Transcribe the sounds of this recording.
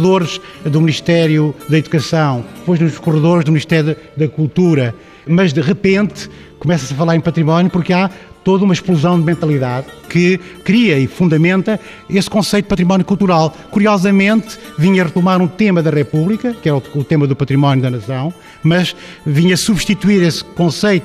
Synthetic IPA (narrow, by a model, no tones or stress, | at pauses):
ðoɾʃðumniʃt̪ɛɾjuðɐiðukɐsɐ̃w̪̃pojʒnuʒkuʁɨðoɾʒðumniʃt̪ɛɾjuðɐkulˠt̪uɾɐ | mɐʒd̪ɨʁɨpẽnt̪ | kumɛsɐsɐfɐlˠaɾẽpɐt̪ɾimɔnjupuɾka | t̪oðumɐʃplˠuzɐ̃w̃d̪mẽnt̪ɐlˠiðaðkɨ | kɾiɐifũnd̪ɐmẽnt̪ɐ | eskõsɐjt̪̚pɐt̪ɾimɔnjukulˠt̪uɾalˠ | kuɾiɔzɐmẽnt̪viɲɐʁɨt̪umaɾũt̪emɐðɐʁɛpuβlˠikɐkɛɾɐuut̪emɐðupɐt̪ɾimɔnjuðɐnɐsɐ̃w̃ | mɐʃvĩɲɐsuβʃt̪it̪uiɾeskõsejt̪u